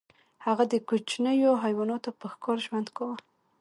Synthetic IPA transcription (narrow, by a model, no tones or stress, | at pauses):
haɣad̪əkot͡ʃnəjoɦajwɑnot̪apəxkɑɾʒwand̪kawə